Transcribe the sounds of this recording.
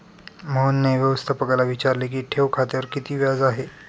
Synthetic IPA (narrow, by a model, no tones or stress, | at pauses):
mənːeʋjəʋəst̪ʰəpəɡalaʋit͡ɕaɾlek̬iːʈʰeʋkʰat̪eʋəɾkit̪iːʋjad͡zaɦe